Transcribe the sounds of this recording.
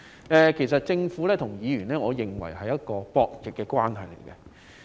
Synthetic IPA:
ɛː˨˩kʰe˨˩js̬ɐ˨t̚t͡sɪ˧ŋfu˨˥lɛː˥t̪ʰʊ˨˩ŋjiː˨˧ɥyː˨˩nlɛː˥ŋɔː˨˧jɪ˨ŋwɐ̰˨˩jɦɐ˨jɐ˥t̚kɔː˧pɔː˧k̚jɪ˨kːɛ˧kwaː˥nhɐ̰˨˩jlḛ˨˩jkɛ˧

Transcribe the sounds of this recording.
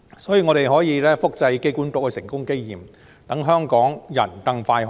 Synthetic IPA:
sɔː˨˥jiː˨ŋɔ˨˧ɾe˨jɦɔː˨˥jiː˨˧lɛː˥fʊ˥k̚t͡sɐ˧jke˥jkuː˨˥nt̪ʊ˨k̚kɛ˧sɪ˨˩ŋkʊ˥ŋke˥jjiː˨m | t̪ɐ˨˥ŋɦœː˥ŋkɔː˨˥ŋjɐ̰˨˩nkɐ˧ŋfaː˧jɦ

